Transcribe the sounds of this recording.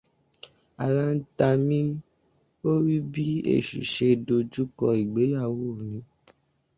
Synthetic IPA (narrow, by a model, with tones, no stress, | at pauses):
a˨lã˦n̩˦ta˧mĩ˦ | o˦ɾi˦bi˦ḛ˦˨ʃṵ˨ʃe˧do˧d͡ʒu˦kɔ˧i˨ɡ͡be˨˦ja˦˨wo˦˨nĩ˨˦